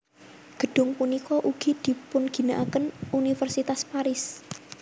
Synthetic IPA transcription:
ɡ̥ə̤ɖ̥ʊ̤ŋpunikɔʔuɡ̥id̪̥i̤pʊnɡ̥i̤naʔakənunifɛrsit̪aspaɾɪs

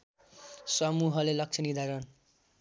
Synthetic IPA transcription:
sʌmuɦʌlelʌk̚t͡sʰʌnid̪ʱaɾʌn

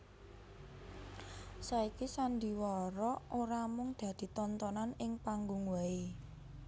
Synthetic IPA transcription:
saikisand̪i̤wɔɾɔʔoɾamʊŋd̪̥ä̤d̪̥i̤t̪ɔnt̪ɔnanɪŋpaŋɡuŋwai

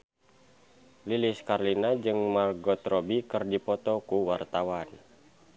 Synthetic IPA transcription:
liliskarlinad͡ʒɨŋmarɡɔt̪ɾɔbikɨrdipɔt̪ɔkuwart̪awan

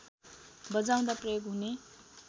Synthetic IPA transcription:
bʌd͡zaw̃d̪aprʌjoɡɦune

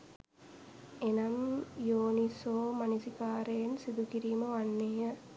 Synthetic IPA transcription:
enɐmjoːnisoːmanisikaːɾejensid̪ukiɾiːməʋanːeːjə

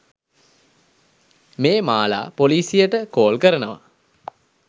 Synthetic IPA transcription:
meːmaːla̰ːpoliːsijəʈəkoːlkəɾənəʋa̰

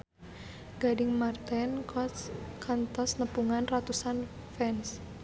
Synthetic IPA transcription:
ɡ̥aɖɪŋmart̪ɛnkʰɔt̪skʰant̪ɔsnəpuŋanrat̪usan | fɛns

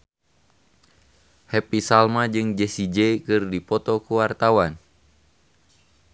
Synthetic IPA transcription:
hɛpisalmad͡ʒɨŋd͡ʒɛsid͡ʒɛkɨrdipɔt̪ɔkuwart̪awan

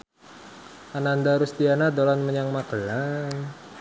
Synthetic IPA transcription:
ʔanand̪aɾust̪ianad̪olanməɲaŋmakəlan

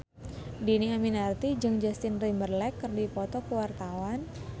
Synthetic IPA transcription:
diniaminart̪id͡ʒɨŋd͡ʒast̪ɪnrimərlɛkːərdipɔt̪ɔkəwart̪awan

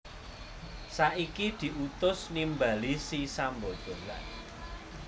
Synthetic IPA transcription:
saʔikid̪̥i̤ut̪ʊsnimbalisisambod̪̥o̤la̰n

